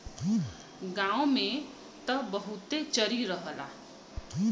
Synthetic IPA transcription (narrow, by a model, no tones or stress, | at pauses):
ɡãome | t̪əbəɦut̪et͡ʃəɾiɾəɦəla̰